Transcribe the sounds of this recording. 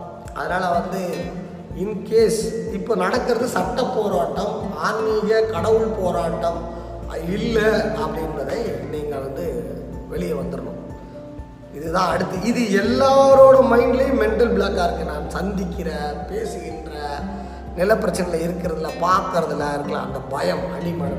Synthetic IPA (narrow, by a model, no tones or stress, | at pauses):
ʔɐ̰ðɯnaːlɐʋɐnd̪ɯ | ɪnkeːsɪpːoːnɐɽɐkːɪɾɐðɯsɐʈːɐpːoːɾaːʈːɐmaːɾmiɣɐkɐɽɐʋɯɭpoːɾaːʈːɐm | ɪlːɐɐpːɐɽɪnbɐðɐɪniːŋɡɐɭʋɐnd̪ɯʋɛɭɪjɐʋɐnd̪ɯɾɯɳʊ̰̃m | ɪðɯðãːɐɽɯt̪ːɯɪðɯɛlːaːɐɾoːɽɯmɐɪɳɖɪlɐjmɛɳʈɐlbɪɭaːkaːɾkːɯnaːnsɐnd̪ɪkːɪɾɐpeːsɯɣɪndrɐ | nɪlɐpːɪɾɐt͡ʃːɐnɐlɐɪɾɯkːɪɾɐðɪlːɐpaːɾkɪɾɐðɯlɐndɐlɐ̰ɐ̰nd̪ɐbɐjɐmɐɽɪmɐɳ